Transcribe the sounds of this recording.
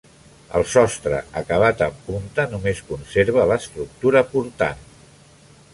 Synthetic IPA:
ə̰lˠsɔst̪ɾə̰əkəβ̞at̪əmpunt̪ənumeskunseɾβ̞ələst̪ɾuk̚t̪uɾəpuɾt̪a̰n

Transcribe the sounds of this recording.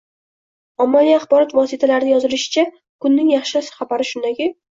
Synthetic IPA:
ɒmːalijaχbɒɾɒt̪vɒsɪt̪ʰalaɾɪnɪjɒzɪlɪʃɪ̥t͡ʃʰa | kʰʊnːɪŋjɑχʃasɪ̥χabaɾɪʃʊnd̪akʲɪ

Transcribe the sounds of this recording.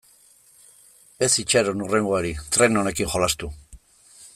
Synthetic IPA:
e̞sit͡ʃaɾonure̞ŋɡoaɾit̪ɾe̞none̞kiŋxo̞last̪u

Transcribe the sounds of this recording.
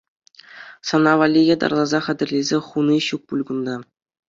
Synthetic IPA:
sɑnɑʋɑlʲːijɑd̪ɑ̰rlˠɑzɑχæ̆dʲɘ̆rʲlʲezʲeχuniɕuk̚pulʲɡund̪ɑ

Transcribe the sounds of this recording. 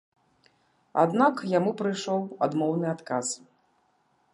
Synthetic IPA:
a̰d̪nakjamupɾɨjʂɔwad̪mɔwnɨat̪kas

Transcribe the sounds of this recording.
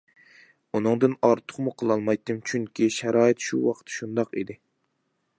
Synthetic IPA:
unɨŋd̪ɨnɑɾt̪ʰʊ̥χmuqʰəlˠɑlˠmɑjt̪ːɨmt͡ʃʰyŋkʲʰiʃæɾɑːɨt̪ʃuwɑqʰə̥t̪ʃund̪ɑqḭd̪ɪ

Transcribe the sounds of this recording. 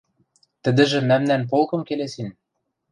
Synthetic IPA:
t̪ɘ̆d̪ɘ̆ʒɘ̆mæmnænp̬olˠkɤ̆mkelesin

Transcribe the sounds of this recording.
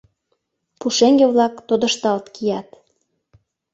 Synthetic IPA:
puʃeŋɡeβlɑkt̪od̪ə̆ʃt̪ɑlt̪kʰijɑt̪

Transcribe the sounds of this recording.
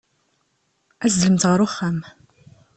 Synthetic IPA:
æzləmt̪ʁəɾʊχːæm

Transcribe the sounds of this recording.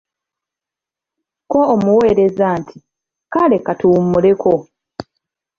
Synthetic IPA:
ko̞ːmuwe̞ːɾe̞zaːntʰi | kale̞katumːule̞kʰo

